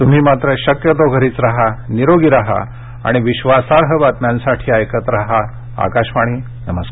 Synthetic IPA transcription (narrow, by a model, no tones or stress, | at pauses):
t̪um̤iːmat̪ɾəɕəkjət̪oɡʱəɾiːt͡sɾaɦaniɾoɡiɾaɦa̰ | a̰ɽ̃iʋiɕʋasaɾɦəʋat̪mjãnsaʈʰiːajkət̪ɾaɦa | a̰kaɕʋaɽ̃iː | nəməskaɾ